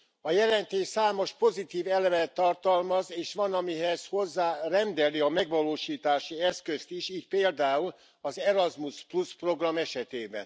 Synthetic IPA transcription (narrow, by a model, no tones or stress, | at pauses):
ɒjɛlɛnt̪eːʃsaːmo̞ʃpo̞zit̪iːvɛlɛvɛt̪ːɒrt̪ɒlmɒzeːʃʋɒnɒmiɦɛzho̞zːaːrɛnd̪ɛliɒmɛɡʋɒloːʃiːt̪aːʃiɛskøst̪iʃiːc̚peːld̪aːul | ɒzɛɾɒzmuspluspro̞ɡrɒmɛʃɛt̪eːbɛ̰n